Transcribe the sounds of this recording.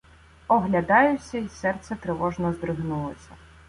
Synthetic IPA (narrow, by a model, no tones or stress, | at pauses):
ɔɦlʲɐd̪ɑjʊsʲɐisɛrt̪sɛt̪ɾɪʋɔʒnɔzd̪ɾɪɦnulˠɔsʲɐ